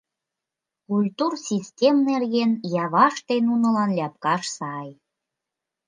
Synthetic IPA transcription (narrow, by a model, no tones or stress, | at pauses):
kulʲt̪ursʲistʲemnerɣenjɑβɑʃt̪enunə̆lɑnlʲɑp̚kɑʃsɑj